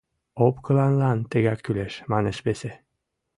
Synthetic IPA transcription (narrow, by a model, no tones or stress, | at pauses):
opkɤlˠɑnlˠɑnt̪ĕɡækʲːyleʃmɑnɤʃbese